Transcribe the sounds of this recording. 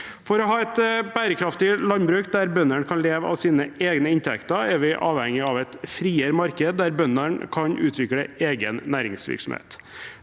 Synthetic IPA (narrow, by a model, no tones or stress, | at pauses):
fɔɾɔɦɑːɛt̪bæːɾəkʰɾɑft̪ɪlɑnbɾʉːkd̪æɾbœnəɳkʰɑnleːʋəɑ̰ʋsiːnəeːɡnəɪnt̪ʰɛkt̪ɑɾɛɾʋɪʔɑ̰ːʋhɛŋːɪɑʋæɪt̪fɾiːəɾmɑɾkəd̪̚d̪æɾbœnːəɳkʰɑɲʔʉ̰ːt̪ʰʋɪkɽəeːɡənnæːɾɪ̰ŋsʋɪ̰ɾksɔ̰mhḛːt̪